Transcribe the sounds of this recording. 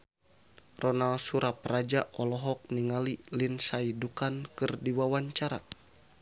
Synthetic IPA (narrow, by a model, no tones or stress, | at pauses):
rɔnalsuɾaprad͡ʒaʔɔlɔɦɔk̚niŋalilinsaidukankɨrdiwawaɲt͡ʃaɾa